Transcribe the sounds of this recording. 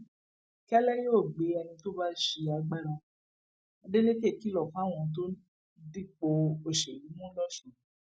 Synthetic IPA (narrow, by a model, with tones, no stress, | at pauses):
kɛ˦lɛ˦joː˦˨ɡ͡be˨˦ɛ˧nĩ˧to˦ba˦ʃe˧a˧ɡ͡bɛ˦ɾɔ̃˧ | a˧de˦le˦ke˦˨ki˨˦lɔ˨kã˨˦w̃ɔ̃˧˨t̬o˦ | di˦k͡po˧o˨ʃe˨i˨˦mũ˦lɔ˦˨ʃũ˨˦